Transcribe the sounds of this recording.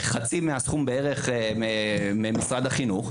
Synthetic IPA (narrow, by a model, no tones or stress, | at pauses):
χat͡simeasχumbeeʁe̞χmememisʁad̪haχinuχ